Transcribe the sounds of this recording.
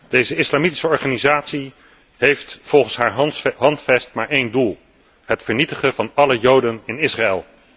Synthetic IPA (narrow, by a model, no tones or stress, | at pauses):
d̥ejzəɪslamiti̥səɔɹχaːnizaːtsi | ɦejftfɔlˠχənsɦaːɹɦɑntfɛstmaːɹejndulˠ | ɦətfəɹnitəχəvɑnɑləjowdənɪnɪsraɛlˠ